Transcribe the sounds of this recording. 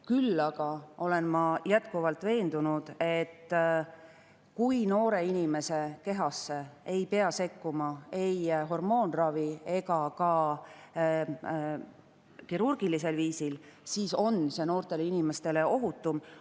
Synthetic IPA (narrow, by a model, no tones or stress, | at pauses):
kylːɑɡ̥ɑo̞le̞nmɑjæt̪kuvɑlt̪ˑve̞ːnd̪unud̪̥e̞t̪ː | kujno̞ːɾe̞inime̞se̞ke̞ɦɑsːe̞e̞jpe̞ɑse̞kːumɑe̞jɦo̞rmo̞ːnrɑvie̞ɡɑkɑ | kiɾurɡ̥ilis̬e̞lviːsilsiːso̞nseno̞ːrt̪e̞leinime̞st̪e̞le̞ʔo̞ɦut̪ːˑum